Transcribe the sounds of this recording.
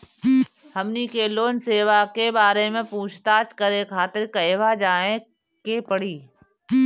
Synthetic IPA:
hɐmnikeloːnseːʋakebaːɾemẽpuːt͡ʃʰt̪aːt͡ʃkəɾekʰaːt̪ɪɾkɐjʋad͡ʒaːẽ | kepəɽiː

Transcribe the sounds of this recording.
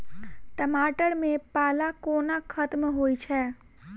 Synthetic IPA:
ʈəmaːʈəɾmẽpaːlakoːnakʰət̪mɦoːit͡ʃʰɛː

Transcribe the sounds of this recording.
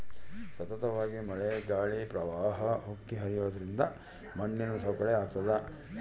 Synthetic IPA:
sɐt̪ɐt̪ɐʋaːɡimɐɭeɡaːɭipɾɐʋaːɦɐɦukːiɦɐɾijoːd̪ɐɾind̪ɐ | mɐɳːinusɐkɐɭeaːɡ̚t̪ɐd̪ɐ

